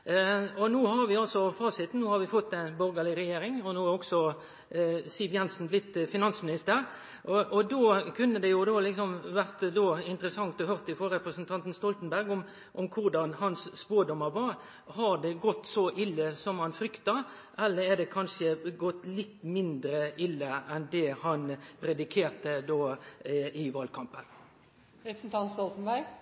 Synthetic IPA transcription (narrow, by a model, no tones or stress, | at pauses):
ɔnuːhɑɾʋɪɑlsɔfɑːsɪt̪n̩uːhɑɾʋɪfɔt̪ːɛnbɔɾɡəlɪɾɛjeːɾɪŋɔnoːɾɔɡsɔ | sɪʋjɛnsn̩blɪt̪ːfɪnɑnsmɪnɪst̪əɾ | ʔɔʔɔd̪oːkʰʉnːəd̪ɛjʊd̪oːlɪksɔmʋæʁt̪d̪oːɪnt̪əɾəsɑŋt̪ɔhøːɾt̪ɪfoːɾɾɛpɾəsnt̪ʰɑnt̪n̩st̪ɔlt̪n̩bæɾɡɔm | ʔɔmkʰʊɾɖɑnhɑnsːpoːɖɔmːəɾʋɑɾ | hɑɾd̪ɛɡɔt̪ːsɔʔɪlːəsɔmhɑnfɾʏkt̪ɑ | ʔɛlːəɾɛɖ̪ɛkʰɑnʂəɡɔt̪ːlɪt̪ːmɪnd̪ɾəɪlːəɛnd̪ɛhɑnpʰɾɛd̪ɪkʰeːɾt̪əd̪oː | ɪʋɑːlkʰɑmpən | ɾɛpɾsn̩t̪ʰɑnst̪ɔlt̪n̩bæɾɡ